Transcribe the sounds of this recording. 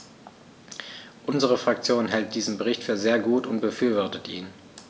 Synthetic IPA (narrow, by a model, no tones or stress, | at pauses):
ʔʊnzəʁəfʁ̥ak̚t͡sjoːnɦɛlt̚d̥iːzəm̩bəʁɪçtfyːɐzeːɐɡuːtʊnt̚b̥əfyːɐvɔɐtətʔḭːn